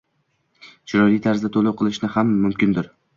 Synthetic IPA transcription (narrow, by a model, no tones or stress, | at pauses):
t͡ʃʰɪɾɒɾijt̪ʰaɾzd̪at̪ʰolˠʊqʰɨlˠɪʃnɪhamːʊmkʲɪnd̪ɪɾ